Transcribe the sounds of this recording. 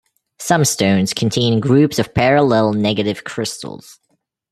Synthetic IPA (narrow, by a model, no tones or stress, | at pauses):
sʌ̃mstõʊ̃nz̥kʰn̩tʰẽɪ̃nɡɹʉpsʌv̥pʰɛɹəlɛl̩ˠnɛɡɨɾɨv̥kʰɹ̥ɪstl̩ˠz̥